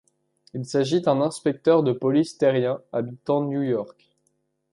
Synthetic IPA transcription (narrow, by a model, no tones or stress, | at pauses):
ilsaʒid̪ɛ̃nɛ̃spɛk̚t̪œʁd̪əpɔlist̪ɛʁjɛ̃abit̪ɑ̃njujɔʁk